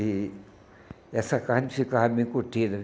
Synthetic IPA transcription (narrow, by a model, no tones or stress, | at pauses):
i | jasakansikamikut̪ːil